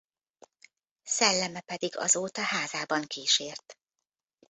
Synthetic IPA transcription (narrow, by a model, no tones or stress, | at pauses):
sɛlːɛmɛpɛd̪iɡɒ̰zoːt̪ɒhaːzaːbɒŋkiːʃeːrt̪